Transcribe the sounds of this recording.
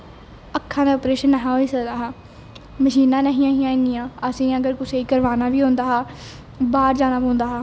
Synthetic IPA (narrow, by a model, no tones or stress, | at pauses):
əkʰːãːnaːoːpɾeːʃənːəɦãːoiːsəkd̪aːɦaː | məʃiːnãːnəɦĩːãːɦĩãːnɪjãːəsĩːəɡəɾkʊseːiːkəɾʋaːnaːʋiːɦõːnd̪aːɦaː | baːɾd͡ʒaːnãːpõːnd̪aːɦaː